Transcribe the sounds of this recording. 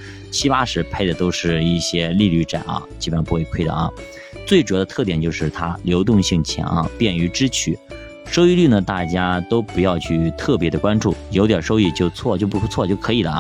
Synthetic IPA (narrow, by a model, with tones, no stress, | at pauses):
t͡ɕʰi˥pa˥ʂɻ̩˧˥pʰe˥˩ɪd̪ə˩t̪o˥ʊʂɻ̩˥˧i˥˩ɕjɛ˥li˥˧ly˥˩ʈ͡ʂa̰˨˩˦nɐ̰˧˩t͡ɕi˥˩ə˧˩˥pxwe˥˩ɪkʰwe˥ɪd̪ə̰˩ʔɐ̰˩ | t͡swe˥˩ʈ͡ʂd̪ə˧t̪ʰɤ˥˩t̪jɛ˨˩nt͡ɕjo˥˧ʊʂɻ̩˥˩t̪ʰa˥ljo˧˥ʊt̪ʊ˥˧ŋɕi˥˩ŋt͡ɕʰjɛ̰˧˥nʔɐ̰˧pjɛ˥˩ny˧˥ʈ͡ʂɻ̩˥t͡ɕʰy̰˨˩˦ | ʂo˥ʊi˥˧ly˥˩nə˩t̪a˥˩t͡ɕja˥t̪o˥ʊpu˧˥jɑ˥˧ʊt͡ɕʰy˥˩t̪ʰɤ˥˩p̬jɛ˧˥d̪ə˧kwa˥nʈ͡ʂu˥˩jo˧˥t̪̬jɑ˨˩ʂo˥ʊi˥˧t͡ɕjo˥˧ʊt͡sʰwɔ˥˧t͡ɕjo˥˧ʊpu˧˥˧t͡sʰwɔ˥˧t͡ɕjo˥˩ʊkʰɤ˧˥i˨˩lə˦